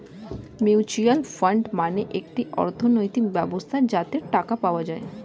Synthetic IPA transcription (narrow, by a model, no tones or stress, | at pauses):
mewt͡ɕialfaɳɖmaneʔekʈiɔ̰ɾt̪ʰonojt̪ik̚bɛbost̪ʰad͡ʑat̪eɾʈakapaoad͡ʑae